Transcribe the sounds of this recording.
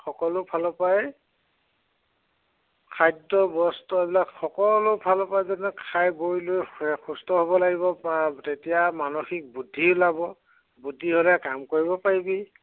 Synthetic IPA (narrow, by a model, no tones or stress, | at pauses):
xɔkɔlʊpʰalɔpajɛ | kʰajdɔbɔstɔebilakxɔkɔlʊpʰalɔpajzɔnɛkʰajbojlojxustɔɦobɔlaɡibɔptetijamanoxik̚budʱːilabɔ | budʱːiɦolɛkamkoɹibɔpaɹibi